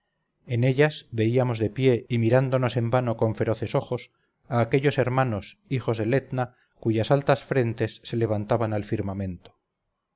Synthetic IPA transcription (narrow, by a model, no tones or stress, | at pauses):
ene̞ʎasβe̞iamo̞zðe̞pje̞imiɾand̪o̞no̞se̞mbano̞ko̞ɱfe̞ɾo̞θe̞so̞xo̞s | aːke̞ʎo̞se̞ɾmanosixo̞zðele̞t̪na | kuʝasalt̪asfɾe̞nt̪e̞sːe̞le̞β̞ant̪aβanalfiɾmamẽ̞nt̪o